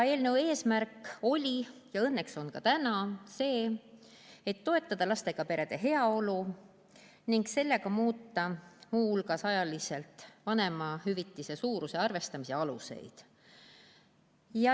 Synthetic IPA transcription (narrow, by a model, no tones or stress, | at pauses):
e̞ːlnewe̞ːsmærkːˑo̞lʲijɑɤ̞nːe̞kso̞nkɑt̪ænɑse̞ː | et̪ːo̞e̞t̪ːˑɑd̪̥ɑlɑst̪e̞ɡ̥ɑpe̞ɾe̞d̪̥e̞ɦe̞ɑo̞lu | niŋɡse̞lːe̞ɡ̥ɑmuːt̪ːɑmuːhulɡɑsɑjɑlise̞lt̪ˑvɑne̞mɑhyvit̪ːise̞suːɾuse̞ɑrve̞st̪ɑmiseɑluse̞̰jd̪̥ | jɑ